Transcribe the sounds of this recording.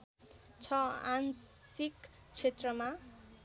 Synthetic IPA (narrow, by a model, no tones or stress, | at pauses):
t͡sʰʌa̰nsik | t͡sʰet̪rʌma